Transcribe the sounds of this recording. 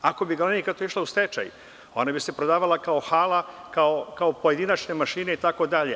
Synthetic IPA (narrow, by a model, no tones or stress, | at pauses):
ako̞biɡalenikat̪oiʃlaust̪et͡ʃa̰j | o̞nabise̞pɾod̪aːʋalakao̞xaːlakaokaopo̞je̞d̪inat͡ʃne̞maʃiːne̞it̪ako̞d̪aʎe